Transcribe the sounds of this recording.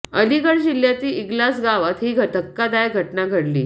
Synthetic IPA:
əliɡəɽd͡ʑiljat̪iːiɡlasɡaʋat̪ɦiːɡʱət̪əkːad̪ajɡʱəʈnaɡʱəɽlḭː

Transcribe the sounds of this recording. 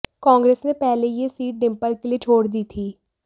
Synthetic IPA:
kãːŋɡɾeːsneːpɛːleːjeːsiːʈ̚ɖɪmpəlkelieːt͡ʃʰoːɽd̪iːt̪ʰiː

